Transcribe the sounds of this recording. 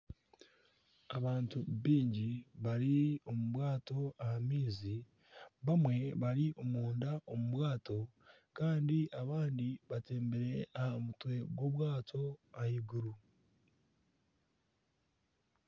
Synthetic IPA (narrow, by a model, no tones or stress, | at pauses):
aβaːntuβiːɲɟiβaɾio̞muβwaːto̞ahamiːzi | βamwe̞βaɾiʔo̞muːndaʔo̞muβwaːto̞ | kaːndiʔaβaːndiβate̞ːmbeɾe̞ahamutwe̞ɡwo̞βwaːtʰo̞ahiɡuɾu